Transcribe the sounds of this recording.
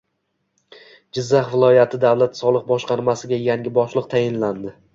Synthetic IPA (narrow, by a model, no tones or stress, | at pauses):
d͡ʒɪzːaχvɪlˠɒjat̪ʰɪd̪avlˠat̪sɒlˠɨq̚bɒʃqɑɾmasɪɡʲajaŋʲɪbɒʃlˠɨqt̪ʰajɪnland̪ɪ